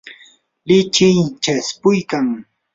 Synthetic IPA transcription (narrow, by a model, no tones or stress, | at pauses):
lɪt͡ʃɪjt͡ʃaspʊjkaŋ